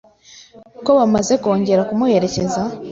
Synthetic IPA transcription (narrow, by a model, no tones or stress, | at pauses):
ko̞βamaze̞ko̞ːɲɟe̞ɾakumuhe̞ɾe̞ce̞za